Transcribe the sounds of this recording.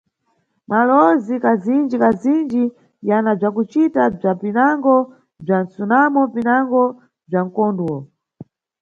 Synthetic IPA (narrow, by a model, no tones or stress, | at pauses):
malɔzikazind͡ʒikazind͡ʒi | janab͡ʐakut͡ʃitab͡ʐapinaŋɡɔ | b͡ʐansunamɔpinaŋɡɔ | b͡ʐaŋ̩kɔnduɔ